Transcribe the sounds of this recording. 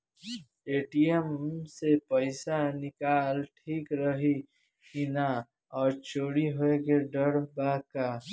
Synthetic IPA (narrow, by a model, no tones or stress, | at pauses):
eːʈijemsepəɪsanɪkaːlʈʰiːkɾəɦi | ɦina | ɔːɾt͡ʃʰoːɽiɦoekeɖəɾbaka